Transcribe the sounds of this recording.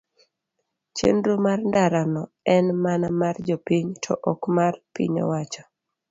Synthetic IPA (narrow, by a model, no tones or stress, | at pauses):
t͡ʃḛndɾomarndaɾanɔ | ɛnmanamard͡ʒɔpiɲtʰɔ̰ʔɔkmarpḭɲɔ̰wat͡ʃɔ̥